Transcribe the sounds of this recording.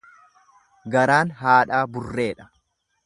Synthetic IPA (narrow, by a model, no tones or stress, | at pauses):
ɡɐɾaːnɦaːᶑaːbʊrːe̞ːᶑɐ̥